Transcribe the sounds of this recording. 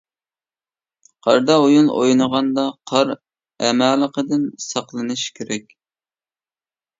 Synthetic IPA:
qʰɑ̰ɾd̪ɑojunʔo̰jnəʁɑnd̪ɑqʰɑɾ | ɛmælˠəqəd̪ɪnsɑqlˠɨnɨʃkʲʰeɾɛkʲ

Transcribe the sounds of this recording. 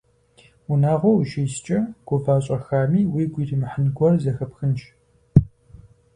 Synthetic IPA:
ʊnaːʁʷɔwʃiːst͡ʃʼɐɡ̥ʷʊvaːɕʼɐxaːmiːwiːɡʷiːrɨmɨħənɡʷɔrzɐxɐpxɨnt͡ʃʰʼ

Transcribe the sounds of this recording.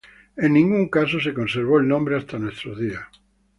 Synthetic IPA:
ẽnnĩŋɡuŋkas̬os̬ekonseɾβ̞oelnõmbɾeast̪anwest̪ɾoðia

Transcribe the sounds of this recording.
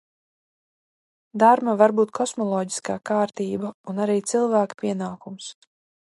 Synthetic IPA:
d̪aɾmavaɾbuːt̪̚kʰɔsmɔlˠɔːɟi̥skaːkaːɾt̪iːbaunaɾiːt̪silˠvæːkpʲiɛnaːkums

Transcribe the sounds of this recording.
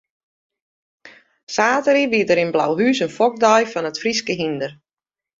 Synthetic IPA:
saːtəɾiʋiədəɾɪnbla̰wɦyːsənfɔk̚dɔjfɔnətfriskəɦindər

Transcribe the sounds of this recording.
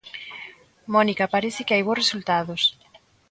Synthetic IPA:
mɔnikapaɾeθɪkɪajβ̞oresult̪aðos

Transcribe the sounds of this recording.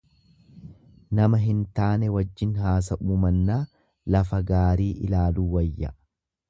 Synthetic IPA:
nɐmɐɦɪnt̪aːnɛwɐd͡ʒːɪnɦaːs̬ɐʔuːmɐnːaː | lɐfɐɡaːɾiːʔɪlaːluːwɐjːɐ

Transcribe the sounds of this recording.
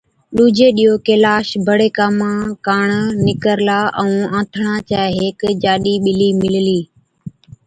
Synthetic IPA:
ɗuːd͡ʒeːɗijoːkeːlaːʃbʱəɽeːkaːmãːkaːɳnɪkəɾlaːʔəũːãːt̪ʰɳãːt͡ʃaːɦeːkd͡ʒaːɗiːɓɪliːmɪlliː

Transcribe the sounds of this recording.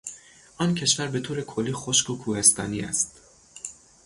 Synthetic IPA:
ʔɒːncʰe̞ʃvæɾbe̞t̪ʰoːɾekʰolːiːxoʃkʰokʰuːhe̞st̪ɒ̰ːniːæ̰st̪

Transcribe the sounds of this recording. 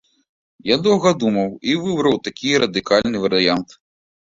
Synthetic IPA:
jad̪ɔwɣɐd̪umɐwivɨbɾɐwt̪akʲijɾɐd̪ɨkalʲnɨvɐɾɨjant̪

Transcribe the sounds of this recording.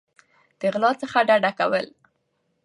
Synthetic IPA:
d̪̥əɪɣlɑt͡səxaɖaɖakawəl

